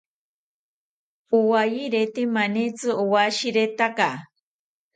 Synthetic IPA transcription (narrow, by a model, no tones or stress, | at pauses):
uwajiɾet̪imanit͡sɨuwaʃiɾet̪aka